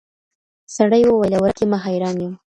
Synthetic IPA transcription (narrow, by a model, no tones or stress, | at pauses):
saɽajwowajlawəɾkemaɦɑjɾɑnjəm